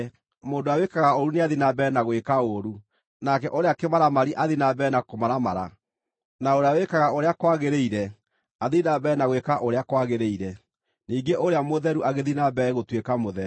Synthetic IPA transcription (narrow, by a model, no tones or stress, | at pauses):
moːndoawekaɣaoɾuneaðinabɛnaɣwekaoɾu | nakɛʔoɾeakemaɾamaɾiʔaðinabɛnakomaɾamaɾa̰ | naoɾeawekaɣaoɾeakwaɣeɾeiɾɛ | aðinabɛːnaɣwekaʔoɾeakwaɣeɾeiɾɛ | niːŋɡeʔoɾeamoðɛɾuʔaɣeðinabɛɣotwekamoðɛ